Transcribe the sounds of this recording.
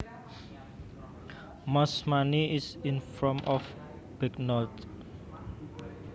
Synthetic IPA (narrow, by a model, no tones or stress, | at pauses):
masmaniisinfɹɔ̃mʔɔf | b̥iknɔlt̪